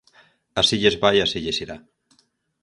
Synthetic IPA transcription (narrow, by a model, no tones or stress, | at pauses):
asiʎezβajasiʎesiɾa